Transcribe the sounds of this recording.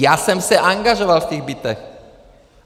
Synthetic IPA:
jaːsɛmsɛʔaŋɡaʒovalft̪ɛɣbit̪ɛx

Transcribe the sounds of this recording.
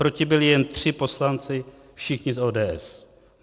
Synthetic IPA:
ɾo̞cɪbɪlɪjɛnt̪r̝̥ɪpo̞slant͡sɪ | fʃɪxɲɪsoːdɛːʔɛs

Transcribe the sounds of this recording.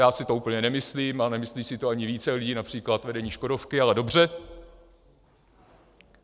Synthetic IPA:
jaːsɪt̪o̞uːpl̩ɲɛnɛmɪsliːmanɛmɪsliːsɪt̪oaɲɪviːt͡sɛlɪɟiːnapr̝̥iːklat̪vɛdɛɲiːʃko̞do̞fkɪalɛdo̞br̝ɛ

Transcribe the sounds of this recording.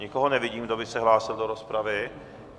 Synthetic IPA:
ɲɪkoɦonɛvɪɟiːmdobɪsɛɦlaːsɪldo̞ɾo̞spɾavɪ

